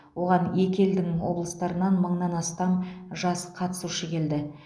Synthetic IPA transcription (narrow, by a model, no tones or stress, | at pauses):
wo̞ʁɑne̞kʲe̞ld̪ɪŋwo̞̰blˠəst̪ɑɾənɑnməɴnɑnɑst̪ɑmʒɑsqʰɑt̪ə̥suʃəkʲʰe̞ld̪ɪ